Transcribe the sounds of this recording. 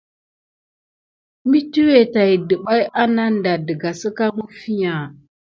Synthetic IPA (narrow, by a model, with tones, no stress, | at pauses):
mi˦tu˦we˨ta˨i˨də˨ɓa˦ja˦na˦n˦da˨də˨ɡa˨sə˦ka˦ŋu˦fi˦ɲa˨